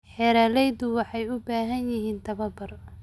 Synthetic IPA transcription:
ħɛːɾaːlɛjd̪ʊwɑħɑjʊbaːɦɐnjɪɦiːnt̪ʰɐβɐbɐr

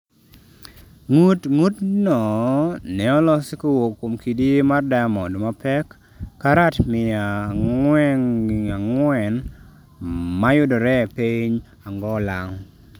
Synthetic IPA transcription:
ŋutŋutnɔnɛɔlɔsɪkowokːomkʰidimardamɔdmapɛkː | aɾatmɪawɛŋaŋwɛn | majʊdɔɾɛpeɲ | aŋɡɔlaŋ

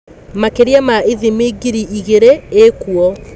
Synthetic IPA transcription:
makeɾiamaiðimiɡiɾiʔiɣeɾeekuɔ

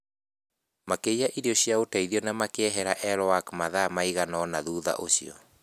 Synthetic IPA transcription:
makeiaʔiɾiɔɕjaotaiðiɔnamakeɛɦɛɾaʔɛɾɔwakmaðamaiɣanɔnaðuða̰ʔoɕiɔ̰

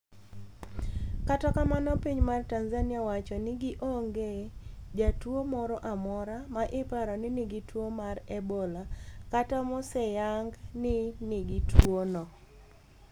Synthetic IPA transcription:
katɔkamanɔpiɲmartanzanɪawat͡ʃɔnɪɡɪʔoŋɡed͡ʒatwomɔɾɔʔamɔɾamaʔɪpaɾɔnɪnɪɡitwomarɛbɔlakatamɔsɛjaŋɡnɪnɪɡɪtwonɔ

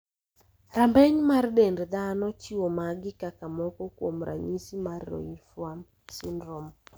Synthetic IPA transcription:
ɾambɛɲmardendd̪anɔt͡ʃɪwomaɡɪkakamɔkɔkwo̰mɾʔa̰ɲisimarːɔ̰ifwam | sɪndɾɔm

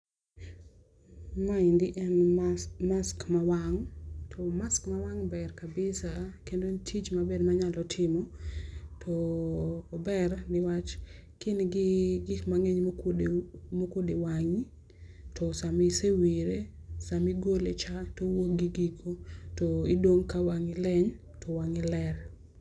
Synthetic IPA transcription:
maɪndɪʔɛnmaskmawaŋtʰomaskmawaŋbɛrkabɪsakendontʰit͡ʃmabedmaɲalɔtʰɪmɔ | tʰɔː | bɛrnɪwat͡ʃ | kɪnɡɪɡɪkmaŋeɲdmokodewaŋi | tʰɔsamisewiɾe | samiɡolet͡ʃatowok̚ɡiɡiɡotoidoŋkawaŋɪlɛɲ | tʰowaŋɪlɛr

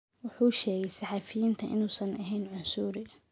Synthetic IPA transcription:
wʊħuːʃɛːɣɛjsɑħɑːfɪjiːnt̪ʰɐʔɪ̰nuːsɐnʔɐɦɛjnʕʊnsuːɾɪ

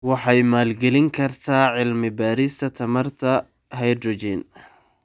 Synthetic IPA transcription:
wɑħɑjmaːlɡɛlɪŋkʰɐrt̪ʰaːʕɪlmɪbaːɾist̪ʰɐt̪ʰɐmɐrt̪ʰɐ | ɦɛjd̪ɾɔt͡ʃin

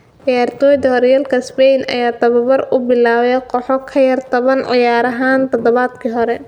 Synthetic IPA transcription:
ʕɪjaːrt̪ʰɔːjd̪ɐhɔɾjaːlkʰɐspɛjnɐ̰jaːt̪ʰɐβɐβɐrʊbɪlaːβɛjqʰɔħɔkʰɐjɐrt̪ʰɐβɐnʕɪjaːɾɐɦaːnt̪ʰɐd̪ɔβaːd̪kʰiːɦɔɾɛ

